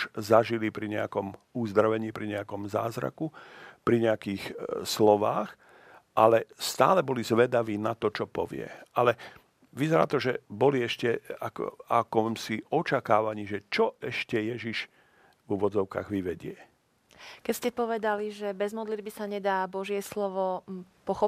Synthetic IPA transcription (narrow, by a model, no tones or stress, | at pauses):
ʒzaʒilipɾiɲɛakɔmuzd̪ɾaʋɛɲiːpɾiɲɛakɔmzaːzɾa̰kupɾiɲɛakiːxslɔʋaːx | ʔalɛst̪a̰ːlɛbɔlizʋɛd̪aʋiːnat̪ɔt͡ʃɔpɔ̰ʋɪɛ̰alɛ | ʋizɛɾa̰ːt̪ɔʒɛbɔliɛʃcɛakɔ̰akɔmsiɔt͡ʃakaːʋaɲiːʒɛt͡ʃɔʔɛʃcɛjɛʒiʒ | vuʋɔd͡zɔʊka̰ːɣʋiʋɛɟɪɛ | kɛscɛpɔʋɛd̪aliʒɛbɛzmɔd̪lid̪̚bisaɲɛd̪aːbɔʒɪɛslɔʋɔpɔxɔ